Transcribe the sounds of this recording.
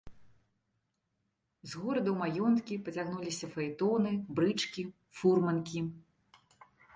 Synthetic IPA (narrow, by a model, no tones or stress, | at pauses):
zɣɔɾɐd̪ɐwmajɔnt̪kʲipɐt͡sʲaɣnulʲisʲɐfɐjt̪ɔnɨbɾɨt͡ʂkʲi | furmɐnkʲi